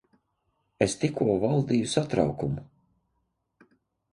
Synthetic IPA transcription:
est̪ikʰuɔvalˠd̪iːjusat̪ɾa̰wkumu

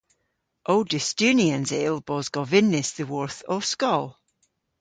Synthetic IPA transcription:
ʔoːdɪstʉniə̃nzelˠb̥ɔzɡɔvɪnːɪsðəwɔɹθɔvskɔlˠ

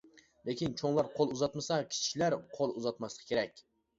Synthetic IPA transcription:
lekʲint͡ʃʰoŋlˠɑɾqʰolˠuzɑt̪mɨsɑkʲʰi̥t͡ʃʰʃilæɾqʰolˠuzɑt̪mɑslˠɨqʰkʲʰeɾɛkʲ

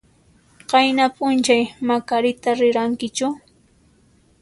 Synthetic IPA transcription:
qɑjnapʼʊnt͡ʃajmakaɾɪt̪aɾɪɾaŋkɪt͡ʃʊ

